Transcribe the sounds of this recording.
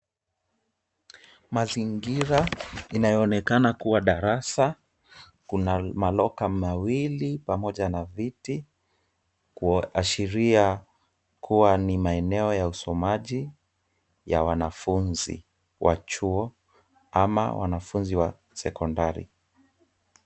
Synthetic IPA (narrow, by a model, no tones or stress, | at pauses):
maziŋɡiɾainajɔːnɛkanakuwaɗaɾasa | kunamalɔkamawilipamɔʄanaviti | kuaʃiɾia | kuwanimaɛnɛɔjausɔmaʄi | jawanafunzḭ | wʔa̰t͡ʃuɔ | ama̰wa̰nafunziwa | sɛkɔndaɾḭ